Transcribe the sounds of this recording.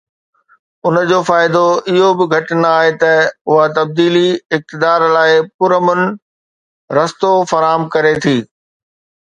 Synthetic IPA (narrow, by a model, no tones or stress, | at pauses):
ʊnd͡ʑoːfaːɪd̪oɪɦobɪɡʱɐʈnɐaːɦet̪ɐʊɦat̪ɐb̚d̪iːliɪk̚t̪ɪd̪aːɾlaːɪpʊɾəmʊnɪ̆ | ɾɐst̪ofɐɾaːɦəmkɐɾet̪ʰiː